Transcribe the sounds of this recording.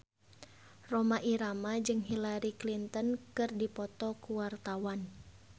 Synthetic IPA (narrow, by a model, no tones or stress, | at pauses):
romaʔiɾamad͡ʒɨŋɦilaɾiklint̪ənkɨrdipɔt̪ɔkuwart̪awan